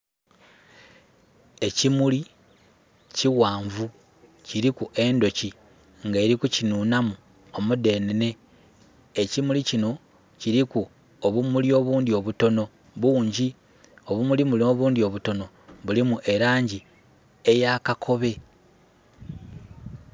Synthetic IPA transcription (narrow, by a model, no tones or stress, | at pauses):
e̞cimuli | ciwaːɱvu | ciɾikuʔe̞ndo̞ci | ŋɡe̞ːɾikucinuːnamu | omude̞ːnene̞ː | cimulicino̞ | ciɾiku | oβumulio̞βuːndio̞βuto̞no̞ | βuːɲɟi | oβumulimulio̞βuːndio̞βuto̞no̞ | βulimuʔe̞ɾaːɲɟi | e̞jakakʰo̞βe̞